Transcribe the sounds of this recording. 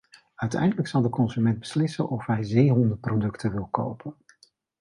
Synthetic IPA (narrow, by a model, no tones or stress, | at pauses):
œɥtɛ̰jndələksɑlˠdəkɔnzymɛnd̚bəslɪsə̰nʔɔfɦɛjzejɦɔndəprowdɵktʰəʋɪlˠko̰wpən